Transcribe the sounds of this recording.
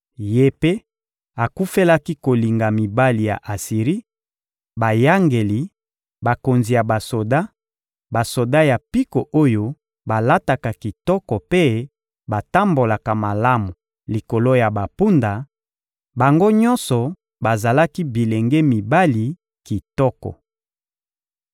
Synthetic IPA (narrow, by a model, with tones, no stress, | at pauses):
je˦pe˦ | a˨ku˦fe˦la˦ki˦ko˨li˨ŋɡa˨mi˨ba˦li˨ja̰˨ʔa˨si˨ʁi˦ | ba˨ja˦ŋɡe˨li˨ | ba˨ko˨nzi˨ja˨ba˨so˨da˦ | ba˨so˨da˦ja˨pi˦ko˨ʔo˦jo˦ | ba˨la˦ta˨ka˨ki˨tɔ˦kɔ˨pe˦ | ba˨ta˦mbo˨la˨ka˨ma˨la˦mu˨ | li˨ko˨lo˦ja˨ba˨pu˦nda˨ | ba˨ŋɡo˦ɲɔ̃˦nsɔ˨ | ba˨za˨la˦ki˦bi˨le˨ŋɡɛ˦mi˨ba˦li˨ | ki˨tɔ˦kɔ̰˨